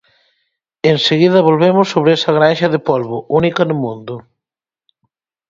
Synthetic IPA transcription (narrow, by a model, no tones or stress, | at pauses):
enseɣiðɐβolβemʊsːoβɾeɛsɐɣɾanʃɐðɪpolβʊʔunikɐnʊmũnd̪ʊ